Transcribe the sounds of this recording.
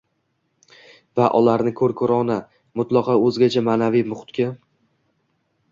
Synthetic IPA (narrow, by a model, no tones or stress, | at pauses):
vaʔɒlaɾnɪkʰɵɾkʰʊɾɒna | mʊt̪lˠɒqɒɵzɡʲat͡ʃʰamaːnavijmʊχt̪kʲa